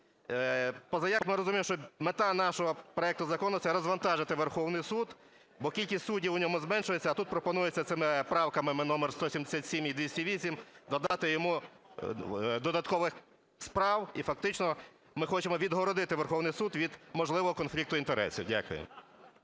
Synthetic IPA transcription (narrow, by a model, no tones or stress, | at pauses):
pɔzɐjakmɪɾɔzʊmʲimʃt͡ʃɔmet̪ɑnɑʃɔɦɔpɾɔɛkt̪ʊzɐkɔnʊt̪sɛɾɔzʋɐnt̪ɑʒɪt̪ɪʋerxɔwnɪjsud̪ | bɔkʲilʲkʲisʲtʲsudʲiwʊnʲɔmʊzmɛnʃʊjet͡sʲːɐːt̪ut̪̚pɾɔpɔnujet͡sʲːɐt̪sɪmɪpɾɑwkɐmɪmɪnɔmerst̪ɔsʲimd̪esʲat̪ʲsʲimid̪ʋʲisʲtʲɐʋʲisʲimd̪ɔd̪ɑt̪ɪjɔmu | d̪ɔd̪ɐt̪kɔʋɪx | spɾɑwifɐk̚t̪ɪt͡ʃnɔ | mɪxɔt͡ʃemɔʋʲid̪ɦɔɾɔd̪ɪt̪ɪʋerxɔwnɪjsud̪ʋʲid̪mɔʒlˠɪʋɔɦɔkɔnflʲik̚t̪ʊint̪eɾɛ̰sʲḭwdʲa̰kʊ̰jḛm